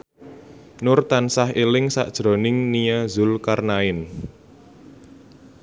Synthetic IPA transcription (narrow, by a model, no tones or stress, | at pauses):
nʊrt̪ansaɦelɪŋsa̰ʔd̥ʒ̥ɾɔ̤nɪŋnijazʊlkarnaɪn